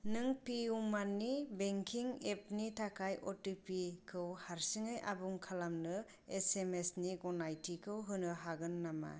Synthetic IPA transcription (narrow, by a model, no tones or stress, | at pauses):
nɯŋpiumanːibeŋkʰiŋep̚nitʰakʰajʔɔtipikʰɯwhaɾsiŋɯjʔa̰buŋkʰalamnɯ | esemesniɡɔnajtʰikʰɯwɦɯnɯɦaɡɯnːama̰